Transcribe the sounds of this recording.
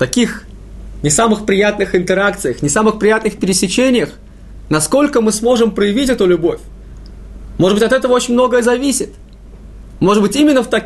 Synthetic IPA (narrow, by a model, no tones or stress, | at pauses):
t̪ɐkʲix | nʲɪsamɨxpɾʲɪjat̪nɨxɨnt̪ɪɾakt̪sɨjəxnʲɪsamɨxpɾʲɪjat̪nɨxpʲɪɾʲɪsʲɪt͡ɕenʲɪjəx | nɐsko̞lʲkəmɨsmo̞ʐɨmpɾəjɪvʲitʲɛt̪ʊlʲʊbo̞fʲ | mo̞ʐɨbɨtʲɐt̪ɛt̪əvəot͡ɕɪnʲmno̞ɡəjəzɐvʲisʲɪt̪ | mo̞ʐɨd̪bɨtʲimʲɪnːəft̪ɐ